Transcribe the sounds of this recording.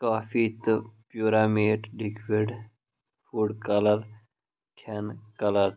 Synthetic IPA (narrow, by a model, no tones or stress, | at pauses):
kaːfʰit̪pjuːɾaːmeːʈɖikʋeɖ | fuːɖkɐləɾ | kʰɐnkɐləɾ